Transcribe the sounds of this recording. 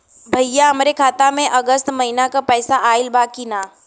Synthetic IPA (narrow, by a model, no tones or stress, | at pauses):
bʱɐjjaɦɐmɾekʰaːt̪amẽʔɐɡəst̪mɐɦɪnakapɛːsaʔaːɪlbaːkinaː